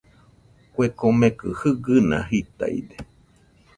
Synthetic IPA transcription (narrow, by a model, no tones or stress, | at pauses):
kʷekomẽkɨhɨɡɨnã̰ɦit̪a̰id̪e